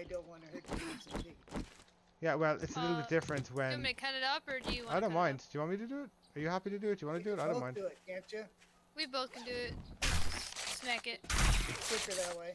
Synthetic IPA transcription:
ɪdõʊ̃nʔwɑ̃nɨhɜd̚ɨĩsli | jæwɛlˠʔɪtsəlɪɾl̩ˠbɪt̚d̥ɪfɹɨ̃nswɨ̃mɨkʰʌɾɨɾʌpə˞dɨjɨwaɪɾõʊ̃nmãɪ̃nd̥jəwɑ̃nmiɾɨdəɪt̚ | ə˞jɨhæpiɾɨdɨɪəwɑ̃nədɨːtaɪõnmãɪ̃ndɪt̚kʰæ̃nt͡ʃɨ | wiboʊθkɨ̃ndɨɪt̚ | snækɪt̚kʰɪkə˞ðɨt̚weɪ

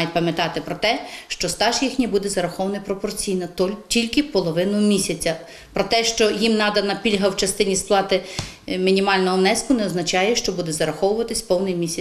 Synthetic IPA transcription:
jɪpɐmʲjɐt̪ɑt̪ɪpɾɔt̪ɛʃt͡ʃɔst̪ɑʒjixnʲibud̪ɛzɐɾɐxɔʋɐnɐjpɾɔpɔrt͡sʲijnɐtʲilʲkɪpɔlˠɔʋɪnʊmʲisʲɐt͡sʲɐ | pɾɔt̪ɛʃt͡ʃɔjimnɑd̪ɐnɐpʲilʲɦɐwt͡ʃɐst̪ɪnʲisplˠɑt̪ɪmʲinʲimɑlʲnɔɦɔmnɛskʊnɛɔznɐt͡ʃɑjɛʃt͡ʃɔbud̪ɛzɐɾɐxɔwʊʋɐt̪ɪsʲpɔwnɪjmʲisʲɐ

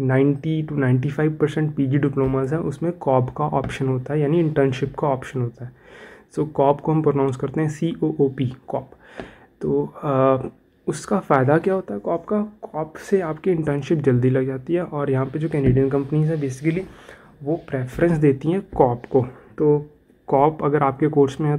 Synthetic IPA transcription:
nãːɪ̃ɳʈiʈunãɪ̃ɳʈifaːɪʋpɐɾsɛ̃ɳʈ̚piːd͡ʒiɖɪploːmazɦɛ̃ʔʊsmẽkɔːpkaʔɔ̰ːpʃənɦoːt̪aɦɛjaːniɪ̃ɳʈəɾnʃɪpkaɔːpʃənɦoːt̪aɦɛsoːkɔːpkoɦɐ̃mpɾonãːʊ̃nskɐɾt̪eɦɛ̃siːʔoːʔoːpikɔːp | t̪oː | ʊskafaːd̪akjaːɦoːt̪aɦɛkɔːpkakɔːpseaːpkiɪ̃ɳʈəɾnʃɪp̚d͡ʒɐld̪ilɐɡd͡ʒaːt̪iɦɛʔɔːɾjɐɦãpɐd͡ʒoːkɛːnɖeːɖijə̃nkɐ̃mpənizɦɛ̃beːsɪkəli | ʋopɾeːfəɾə̃nsd̪eːt̪iɦɛ̃kɔːpkot̪oː | kɔːpɐɡəɾaːp̚kekoːɾsmẽɦɛ̃

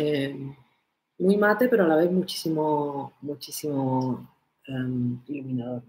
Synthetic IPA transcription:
em | mujmat̪epe̞ɾoalaβeðmut͡ʃi̥simomut͡ʃisimo | emilumĩnaðo̞ɾ

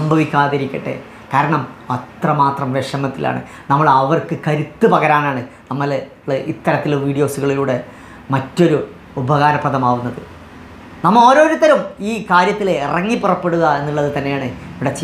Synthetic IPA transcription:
sɐmbʱɐʋikʲːaːðɐɾikʲːiʈːḛ | kaːɾɐɳɐmɐt̪rɐmaːt̪rɐmʋeʂɐmɐt̪ːilʔa̰ːɳɨ̰ | nɐmːɐɭɐʋɐrkɨkɐɾut̪ːɨpɐɣɐɾaːɳaːɳɨnɐmːɐlː | it̪ːɐɾɐt̪ːilʋiːɖijo̞ːsuɣɐɭiluːɽe̞ | mɐtːoɾu | ubɐɣaːɾɐprɐðɐmaːʋunːɐðɨ | nɐmːɐɭo̞ːɾo̞ːɾut̪ːɐɾɐmiːkaːɾjɐt̪ːileirɐŋːipurɐpːe̞ɽuɣɐe̞nːiɭːɐðɨt̪ɐnːe̞jaːɳɨiʋiɽɐt͡ɕːi

